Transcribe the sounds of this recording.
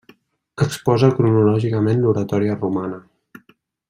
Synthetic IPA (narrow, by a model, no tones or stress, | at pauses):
əkspɔzəkɾunulɔʒikəmenluɾət̪ɔɾiərumanə